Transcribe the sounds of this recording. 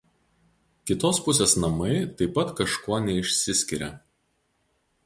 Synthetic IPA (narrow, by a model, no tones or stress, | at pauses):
kʲɪt̪oːspʊsʲeːsnɐmɐɪt̪ɐɪpːɐt̪kɐʃkuɔnʲɛɪʃʲsʲɪsʲkʲɪɾʲɛ̰